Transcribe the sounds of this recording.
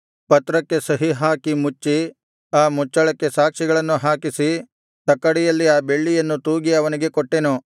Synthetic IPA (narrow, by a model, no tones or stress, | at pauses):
pɐt̪ɾɐkːe̞sɐɦiɦaːkimut͡ʃːi | aːmut͡ʃːɐɭɐkːe̞saːkʂiɡɐɭɐnːuɦaːkisi | t̪ɐkːɐɽɛjɐlːiaːbe̞ɭːijɐnːut̪uːɡiɐʋɐniɡe̞koʈːenu